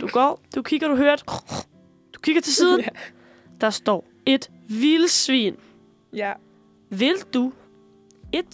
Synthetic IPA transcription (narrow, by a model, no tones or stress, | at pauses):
d̥uɡ̥ɒ̰ːd̥ukʰiɡ̥ɐd̥uɦøɐd̥ | d̥u̥kʰiɡ̥ɐt͡sʰe̝lsiːðˠ | d̥ɑ̈sd̥ɒ̰ː | e̝d̥ | ʋiləsʋḭːn | ʋe̝ld̥u | e̝d̥